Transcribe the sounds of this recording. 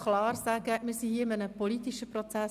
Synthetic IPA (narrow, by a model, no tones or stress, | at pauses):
klɑːɾsæɡəmɪɾsihiːɪmənəpɔlit̪iʃəpɾɔt͡sæ